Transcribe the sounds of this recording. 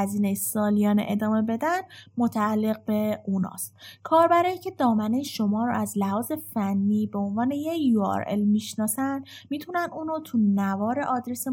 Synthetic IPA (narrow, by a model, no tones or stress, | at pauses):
æziːnejesɒːlijɒːnḛʔed̪ɒːme̞be̞d̪ænmot̪ʰæːlːe̞ɣ̚beunɒ̰ːst̪kʰɒːɾbæɾɒːiːcʰe̞d̪ɒːmænejeʃo̞mɒːɾo̰ʔæzlæhɒːze̞fænːiːbeonvɒːne̞jejuɒ̰ɾḛlmiʃnɒːsænd̪miːt̪ʰunænuːnot̪ʰunævɒːɾe̞̰ʔɒːd̪ɾese